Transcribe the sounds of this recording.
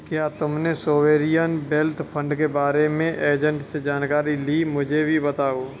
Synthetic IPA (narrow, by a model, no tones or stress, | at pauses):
kjaːt̪ʊmnesoːʋeːɾijənbeːlt̪ʰpʰə̃ɳɖkebaːɾemẽʔeːd͡ʒə̃ɳʈsed͡ʒaːnkaːɾilimʊd͡ʒʱebʱibət̪aːoː